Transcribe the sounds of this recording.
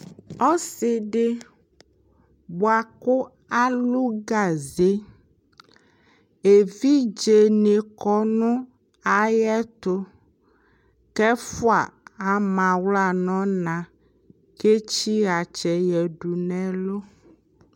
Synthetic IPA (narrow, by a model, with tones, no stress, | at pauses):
ɔ˦sɪ˨ɖe˦ | bo˨a˨kʊ˦ | a˦lu˦ɡa˨ze˦ | e˨vi˦d͡ʒe˨ne˨kɔ˨nũ˦ | a˨jɛ˦t̪ʊ˦ | kɛ˦fo˦a˨a˨mã˨wla˦˨nɔ̃˦nã˨ | ke˦t͡ʃi˦ɣa˨t͡ʃɛ˨jɛ˨ɖu˨nɛ̃˨˦lo˦